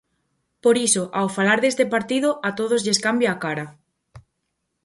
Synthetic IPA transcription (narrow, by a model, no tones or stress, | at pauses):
poɾisoʔawfalaɾðest̪epaɾt̪iðoʔat̪oð̞ozʎeskambjaakaɾa